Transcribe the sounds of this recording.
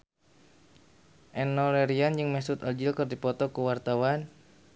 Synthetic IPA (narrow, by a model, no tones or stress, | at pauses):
ʔɛnːɔlɛɾiand͡ʒɨŋmɛsut̪ɔld͡ʒilkɨrdipɔt̪ɔkuwart̪awan